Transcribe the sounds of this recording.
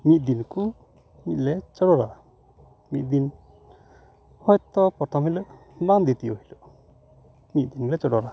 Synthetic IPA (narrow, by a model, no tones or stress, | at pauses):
mit̪̚d̪inku | mit̪̚lɛt͡ʃɔɽɔɾa | mit̪̚d̪in | hɔjt̪ɔpɔʈ̪ʰɔmhiləʔ | band̪it̪ijohiluʔ | mit̪̚d̪inklɛt͡ʃɔɽɔɾa